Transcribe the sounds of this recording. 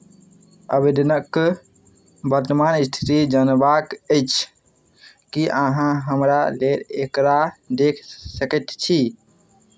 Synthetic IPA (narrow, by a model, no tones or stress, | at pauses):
əbed̪ənəkː | bəɾt̪əmanist̪ʰi̥t̪id͡ʒənbakəjt͡ʃʰ | kiʔaɦãɦəmɾaleɾekɾad̪ekʰsəkət̪t͡ʃʰi